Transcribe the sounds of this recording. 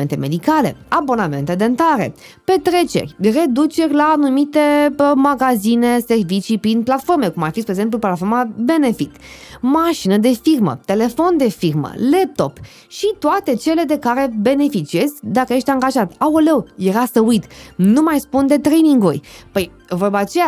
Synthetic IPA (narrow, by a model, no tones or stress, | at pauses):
ent̪e̞me̞d̪ikale̞̰abo̞name̞nt̪e̞d̪ent̪aɾe̞̰ | pe̞t̪ɾe̞t͡ʃe̞̰rʲre̞d̪ut͡ʃe̞rʲlaːnumit̪e̞maɡazine̞se̞rvit͡ʃipɾinplat̪fo̞rmekumarfispɾeɡze̞mp̬luplat̪fo̞rmabe̞ne̞fit̪maʃinəd̪efirmə̰t̪e̞le̞fo̞nd̪e̞firmə̰le̞p̚t̪o̞̰p | ʃit̪oat̪e̞t͡ʃe̞le̞d̪e̞kaɾe̞be̞ne̞fit͡ʃie̞zʲd̪akəjeʃt̪ʲaŋɡaʒat̪aolewje̞ɾasəujt̪numajspund̪e̞t̪ɾe̞jniŋɡurʲpəj | vorbaːt͡ʃe̞ja